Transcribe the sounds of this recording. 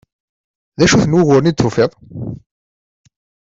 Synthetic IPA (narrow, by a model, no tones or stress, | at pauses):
ðæʃuθənwʊɣʊɾnid̪θʊfeðˤ